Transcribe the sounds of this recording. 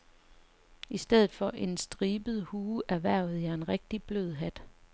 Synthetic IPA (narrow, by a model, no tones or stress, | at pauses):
isd̥eð̞̰ˠð̩ˠfɒ̽ʔe̝nsd̥ʁiːb̥əð̞̩ˠhuːʔæʋæɐ̰ð̩ˠæɐe̝nʁɛɡ̥̚d̥ib̥lø̰ð̞̰ˠɦæd̥